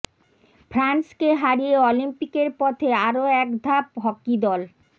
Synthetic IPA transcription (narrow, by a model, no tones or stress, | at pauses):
fɾanskeɦaɾijeɔlimpikeɾpɔt̪ʰeaɾoɛkd̪ʱapɦɔkːid̪ɔl